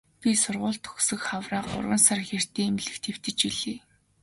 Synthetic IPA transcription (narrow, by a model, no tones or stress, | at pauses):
pʲisʊrʁʊːɮt̪xɵ̥sɵ̆kχawraːqʊ̰rwə̆nsarxer̥t̪eːmɮɘ̆kt̪ʰew̥t̪ɘ̆t͡ɕiɮeː